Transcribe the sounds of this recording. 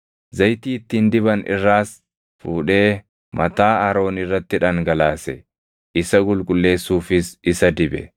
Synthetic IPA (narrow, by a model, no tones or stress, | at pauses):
zɐjt̪iːɪt̪ːiːnd̪ɪbɐnɪ̰rːaːs | fuːᶑe̞ː | mʔɐt̪aːɐɾo̞ːnɪrːɐt̪ːɪᶑɐŋɡɐlaːsɛ̰ | ʔɪsɐɡʊlkʼʊlːe̞ːsːuːfɪsɪsɐd̪ɪbɛ̰